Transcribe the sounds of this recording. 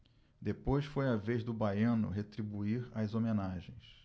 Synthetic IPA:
d̪epojsfojavezd̪ʊbajɐ̃nʊ̰ɦet̪ɾibuiɾajzomenaʒẽj̃s

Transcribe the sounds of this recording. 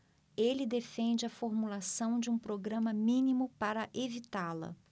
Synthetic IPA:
elɪd̪efẽnd͡ʒɪɐfoɾmulasɐ̃w̃d͡ʒɪũpɾoɡɾɐ̃mɐmĩnimʊpaɾɐʔevit̪alɐ̰

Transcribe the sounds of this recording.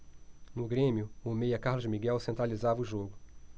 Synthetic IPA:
nʊɡɾẽmjʊomejɐkaɦlʊzmiɡɛwsẽnt̪ɾalizavɐuʒoɡʊ

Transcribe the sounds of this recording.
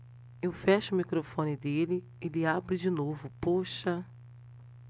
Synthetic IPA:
ewfɛʃɐʊmikɾofõnɪd̪elɪ | ɪlɪabɾɪd͡ʒɪnovʊpoʃɐ

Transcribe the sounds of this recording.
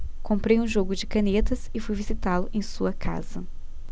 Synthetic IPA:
kõmpɾejũʒoɡʊd͡ʒɪkɐnet̪ɐsɪfujvizit̪alʊʔẽj̃suɐkʰa̰z̥ɐ

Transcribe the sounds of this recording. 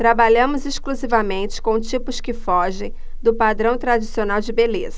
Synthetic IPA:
t̪ɾabaʎɐ̃mʊzeʃkluzivɐmẽnt͡ʃɪ̥kõw̃t͡ʃipʊskɪfɔʒẽj̃ | d̪ʊpad̪ɾɐ̃w̃t̪ɾad͡ʒisionawd͡ʒɪbelezɐ

